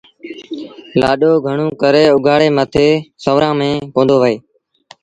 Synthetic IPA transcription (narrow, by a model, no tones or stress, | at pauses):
la̰ːɗoːɡʱəɳõːkəɾeːʊɡʱaːɽeːmət̪ʰeːsəʋɾãːmẽːkõːnd̪oːʋəeː